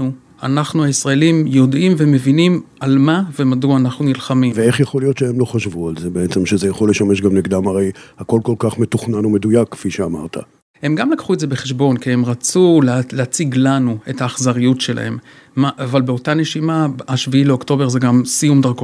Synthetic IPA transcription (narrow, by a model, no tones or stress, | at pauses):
u | a̰naχnuaisʁaelimjo̞dʔimvemevinimalmavemaduaːnaχnunilχamiveeχjaχo̞lijo̞t̪ʃeemlo̞χaʃvualzebeet͡semʃezejaχoleʃame̞ʃɡamniɡd̪amaʁejhako̞lko̞lkaχmet̪uχnanome̞d̪ujakkfiʃeama̰ʁt̪ʰa̰ | he̞mɡamlakχuetzebeχeʃbo̞nkie̞mʁat͡sulleat͡siɡlanuetaːχzaʁijutʃe̞lʔa̰he̞m | maːvalbeo̞tane̞ʃimaaʃviileo̞kto̞be̞ʁze̞ɡamsijumdaʁko